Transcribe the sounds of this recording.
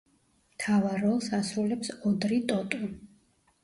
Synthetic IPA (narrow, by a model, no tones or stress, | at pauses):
mt̪ʰavaɾɔlˠsasɾulɛpsɔd̪ɾit̪ʼɔt̪ʼu